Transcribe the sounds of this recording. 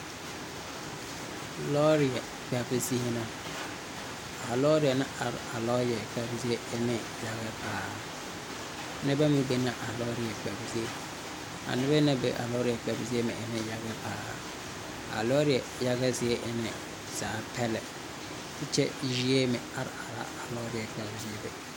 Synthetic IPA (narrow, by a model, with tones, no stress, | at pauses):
lɔ˦ɾɪ˨ɛ˨ | kʰa˨bɪ˦si˦e˦nã˨ | a˨lɔ˦ɾɪ˨a˨nɪ̃˦ʔa˨ɾa˨lɔ˦jɛ˨kʰa˦bsi˦e˦ɛ˦nɪ̃˨ | ja˨ɡɛ˦bʰaː˨˦ | nɪ̃˦bɛ˦mũ˦be˦nã˨ʔa˨lɔ˦ɾɪ˨ɛ˨kʰa˨bi˨si˦e˦ | a̰˨nɪ̃˦bɛ˦nɪ̃˦bɛ̰˨ʔa̰˨lɔ˦ɾɪ˨ɛ˨ka˨fɪ˨si˦e˦mɪ̃˨ʔɛ˨nɪ̃˨ja˦ɡɛ˦baː˨˦ | a̰˨lɔ˦ɾɪ˨ɛ˨ja˦ɡɛ˦zɪ˦e˦ʔɛ˦nɪ̃˨ | saː˨˦pʰɛ˦lɛ˨ | tɪ˦t͡ʃʰɛ˦i˨ɾi˦e˦mɪ̃˨a˨ɾa˨la̰˦a˨lɔ˦ɾɪ˨ɛ˨ka˨bɪ˦si˦e˦bɛ˨